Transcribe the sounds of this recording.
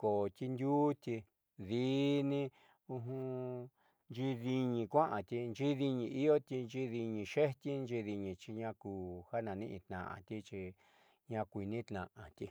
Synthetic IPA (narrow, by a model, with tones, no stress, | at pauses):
ko˨t̪i˧nd̪uː˦t̪ʲi˧ | ði˦nĩ˦ | u˧ɦũ˧ | nd͡ʒi˧ði˧ɲĩ˧kʷã˦ʔã˨t̪i˧nd͡ʒi˦ði˧ɲĩ˧i˦jo˦t̪i˧nd͡ʒi˧ði˧ɲĩ˧ʃe˦t̪ʲi˦nd͡ʒi˧ði˧ɲĩ˧t͡ʃi˧ɲã˧kuː˧˨ha˦nã˨˧nĩ˦ʔĩ˧t̪nã̰˨ʔã̰˧˨t̪i˦t͡ʃi˧ | ɲã˧kʷi˧nĩ˦t̪nã̰˨ʔã˨t̪i˧